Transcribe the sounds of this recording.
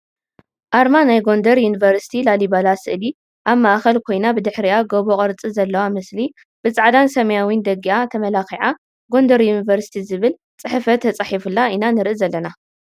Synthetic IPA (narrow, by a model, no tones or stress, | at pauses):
ʔaɾmanajɡo̞nd̪ɐɾjunivɐɾsi̥t̪ʰilalibalasɨʔli | ʔaβmaʔxɐlkʰo̞jnabɨd̪ɨħɾiʔaɡoβoqʼɐɾt͡sʼizɐlːɐwamɨsli | b̥ɨt͡sʼaʕd̪ansɐmɐjawind̪ɐɡiʔat̪ʰɐmɐlaxiʕa | ɡo̞nd̪ɐɾjunivɐɾsi̥t̪ʰizɨβɨl | t͡sʼɨħɨfɐt̪ʰːɐt͡sʼaħifɨlːainanɨɾʔɨzɐlːɐna